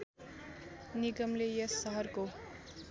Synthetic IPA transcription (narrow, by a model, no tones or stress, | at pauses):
niɡʌmlejʌsʌɦʌrko